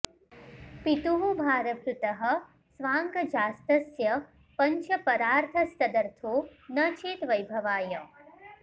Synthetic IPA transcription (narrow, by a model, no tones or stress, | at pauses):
pit̪uɦubʱaːɾɐkɾut̪ɐɦɐ̆ | sʋaːŋɡɐd͡ʒaːst̪ɐsjɐ | pɐɲt͡ʃʰɐpɐɾaːɾt̪ʰɐst̪ɐd̪ɐɾt̪ʰoːnɐt͡ʃeːt̪ʋɐjbʱɐʋaːjɐ